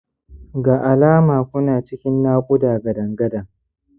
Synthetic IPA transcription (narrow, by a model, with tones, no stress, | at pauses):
ɡaː˨ʔa˨laː˦maː˨kʷʊ˦naː˨t͡ʃɪ˦kʲɪ˦nːaː˦kʷʼʊ˦daː˨ɡɐ˨dɐ˨ŋɡɐ˦dɐ˨ŋ